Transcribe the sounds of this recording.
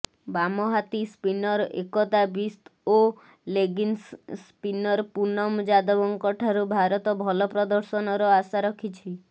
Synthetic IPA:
bamɔɦat̪ispinɔɾḛkɔt̪abist̪ʰo | leɡinsspinɔɾpunɔmd͡ʒad̪ɔbɔŋkɔʈʰaɾubʱaɾɔt̪ɔbʱɔlɔpɾɔd̪ɔɾsɔnɔɾɔasaɾɔkʰit͡ʃʰi

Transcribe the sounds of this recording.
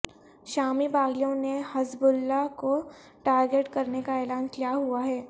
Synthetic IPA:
ʃaːmibaːɡijõnehɐzbʊlːako | ʈaːɾɡeʈkɐɾnekaɛːlaːnkijaɦuaɦɛː

